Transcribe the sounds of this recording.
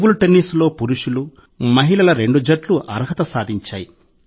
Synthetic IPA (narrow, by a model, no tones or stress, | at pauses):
buluʈenːislo̞ːpuɾuʂulu | mɐɦiɭɐlɐɾe̞ɳɖud͡ʒɐʈluʔɐ̰ɾɦɐt̪ɐsaːd̪ʱiɲt͡ʃaːji